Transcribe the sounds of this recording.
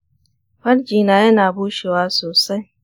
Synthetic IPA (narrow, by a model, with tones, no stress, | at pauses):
ɸɐ˦ld͡ʒiː˨naː˨jɐ˦naː˨buː˦ʃi˨waː˦soː˨sa˦j